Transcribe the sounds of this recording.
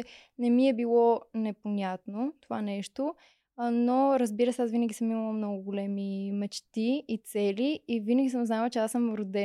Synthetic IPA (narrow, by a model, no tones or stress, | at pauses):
nɛmiɛbilˠɔnɛponʲat̪not̪ovanɛʃt̪o | noɾəzbiɾəsɛasvinəɡʲisəmimɐlˠəmnɔɡʊɡʊlɛmimɛt͡ʃt̪iːt̪sɛliivinəɡis̬əmznalˠt͡ʃɛasəmɾod̪ɛ